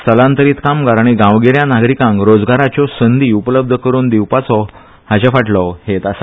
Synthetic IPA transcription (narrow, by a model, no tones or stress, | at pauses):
səlãnt̪əɾiːt̪kamɡaɾaɽ̃iɡãʋɡeɾjãnaɡɾikãŋkɾod͡zɡaɾat͡ɕɔsənd̪iːupələb̚d̪ʱəkəɾuːnd̪iwpat͡sɔ | haɕafaʈlɔhet̪as